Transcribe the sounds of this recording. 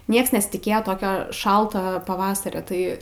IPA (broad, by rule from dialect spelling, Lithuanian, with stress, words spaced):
ˈnʲiɛks nʲɛsʲɪtʲɪˈkʲeːjoː ˈtoːkʲoː ˈʃɐlˠtoː pɐˈʋɑːsɐrʲoː ˈtɐɪ